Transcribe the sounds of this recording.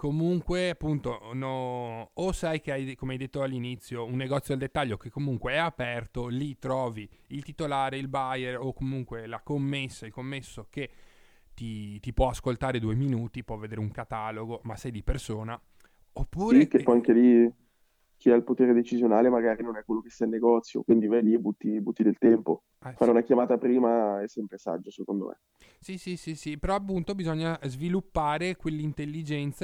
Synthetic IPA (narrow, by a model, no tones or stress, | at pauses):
komuŋkweapːunt̪onoː | sajk̟eajkomeajd̪et̪ːoalːinit̪sːjounːeɡɔt̪sjod̪ld̪et̪ːaʎːok̟ekːomuŋkweɛapɛrt̪olit̪ɾɔːviilt̪it̪olaːɾeilbaajerokomuŋkwelakomːesːailkomːesːoke | t̪it̪ipwɔaskolt̪aːɾed̪ueminuːt̪ipwɔvːed̪eːɾeuŋkat̪aːloɡomasɛjd̪ipersoːna | opːuːɾekeɔjaŋkeli | k̟ʰiailpot̪eːɾed̪et͡ʃizjonaːlemaɡaːɾinonɛkwelːokest̪ailnːeɡɔt̪sːjo̰kwind̪ivɛlibut̪ːibut̪ːid̪elt̪ɛmpo̰ | faːɾeunakjamaːt̪apɾiːmaɛsːɛmpɾesa̰d͡ʒːosekond̪o̰mʔḛ | sisisisipeɾɔapːunt̪obizɔɲːazvilupːaːɾekwelːint̪elːid͡ʒɛnt̪sa